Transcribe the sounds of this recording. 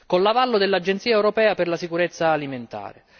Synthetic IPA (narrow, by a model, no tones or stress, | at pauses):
konlavalːod̪elːad͡ʒːent̪siːaɛwɾopɛːaperlasikuɾet̪sːaːliment̪a̰ːɾḛ